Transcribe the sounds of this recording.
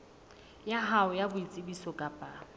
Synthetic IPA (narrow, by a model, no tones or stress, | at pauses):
jaɦaʊjabʊit͡sʼɪbisɔkʼapʼa